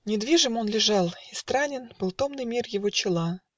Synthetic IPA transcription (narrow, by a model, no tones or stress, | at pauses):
nʲɪd̪vʲiʐɨmo̞nlʲɪʐɑlˠɪst̪ɾanʲɪnb̥ɨlˠt̪o̞mnɨjmʲirjɪvo̞t͡ɕɪlˠa